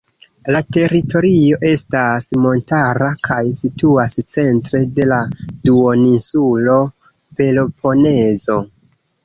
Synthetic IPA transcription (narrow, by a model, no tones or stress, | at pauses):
late̞ɾito̞ɾio̞ʔe̞stasmo̞ntaɾakʰajsituast͡se̞ntɾe̞de̞laduo̞ninsulo̞ | pe̞lopʰo̞ne̞zo̞